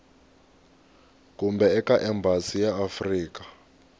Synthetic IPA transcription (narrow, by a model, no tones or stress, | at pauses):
kʼumbɛɛkaʔɛmbʱasijaːfriːkḁ